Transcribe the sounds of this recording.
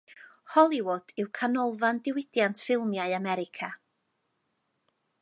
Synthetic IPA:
hɔlˠiwoːd̥ɪwkʰanɔlˠvandɪwɪdjantʰfɪlˠmjaɨamɛɾɪkʰa

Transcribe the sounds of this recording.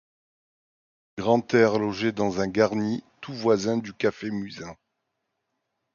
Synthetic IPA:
ɡ̥ʁɑ̃t̪ɛʁlɔʒed̪ɑ̃zɛ̃ɡaʁnit̪uvwazɛ̃d̪ykafemyzɛ̃

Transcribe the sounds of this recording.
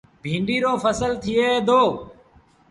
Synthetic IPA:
bʱĩːɳɖiːɾoːfəsəlt̪ʰɪjeːd̪ʱoː

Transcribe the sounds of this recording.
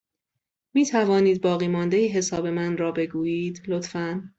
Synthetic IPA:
miːt̪ʰævɒːniːd̪̚bɒːɣiːmɒːnd̪ejiɦe̞sɒːbe̞mænrɒːbe̞ɡuːjiːd̪lot̪fæn

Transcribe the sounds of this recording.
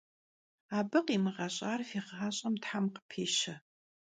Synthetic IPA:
aːbɨqiːmɨʁɐɕʼaːrfiːʁaːɕʼɐmtħamqə̥pʰeːʃɐ

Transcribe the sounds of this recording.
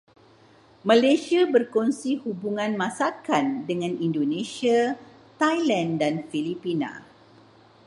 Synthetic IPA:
mãlesiabərkonsihubuŋãnmãsakandəŋãnindonẽsia | t̪ajlãndanfilipinã̰

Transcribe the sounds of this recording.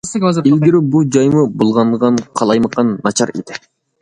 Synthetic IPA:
ilɡʲɪɾɪbulˠd͡ʒɑjmɯbulˠʁɑɴʁɑɴqʰɑlˠɑjmɑqːɑnːɑt͡ʃɑɾḛd̪̥ɪ

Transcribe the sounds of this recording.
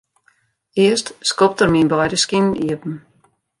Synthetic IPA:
ɪəstskɔp̚tərminbɔjɾəskiniəpm̩

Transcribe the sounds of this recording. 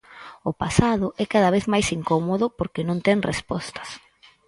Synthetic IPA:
ʊpasaðʊʔɛkaðaβ̞eθmajsiŋkomoðʊpoɾkenõnt̪ɛŋrespɔst̪ɐ̥s

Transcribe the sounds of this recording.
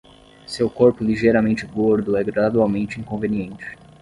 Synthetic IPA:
sewkoɾpʊliʒejɾɐmẽnt͡ʃɪɡoɾd̪ʊɛɡɾad̪uawmẽnt͡ʃɪĩŋkõveniẽnt͡ʃɪ̥

